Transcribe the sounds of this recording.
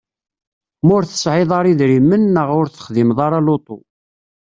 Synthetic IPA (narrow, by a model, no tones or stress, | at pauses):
mʊɾθə̥sʕɪðˤɑɾˤiðɾimːənːəʁʊɾθə̥χðimðˤɑɾˤɑlot̪ˤo̰